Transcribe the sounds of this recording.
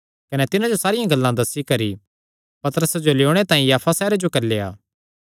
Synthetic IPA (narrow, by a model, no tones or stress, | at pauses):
kɐnɛt̪ɪnãd͡ʒosaːɾɪjãɡɐlːãd̪ɐsːikɐɾi | pɐt̪əɾəsd͡ʒoleoːɽ̃et̪ãːĩjaːpʰasɛːɾed͡ʒokɐɾileːa̰ː